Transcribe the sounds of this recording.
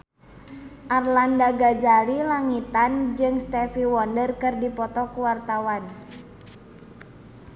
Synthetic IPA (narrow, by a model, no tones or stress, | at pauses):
ʔarlandaɡad͡ʒalilaŋit̪and͡ʒɨŋst̪ɛfiwɔndərkɨrdipɔt̪ɔkuwart̪awan